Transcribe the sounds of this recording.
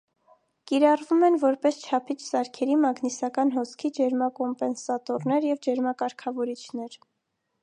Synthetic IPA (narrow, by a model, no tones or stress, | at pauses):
kiɾɑrvumɛnvɔɾpɛst͡ʃʰɑpʰit͡ʃʰsɑɾkʰɛɾimɑɡnisɑkɑnɦɔskʰid͡ʒɛɾmɑkɔmpɛnsɑt̪ɔɾnɛɾjɛvd͡ʒɛɾmɑkɑɾkʰɑvɔɾit͡ʃʰnɛɾ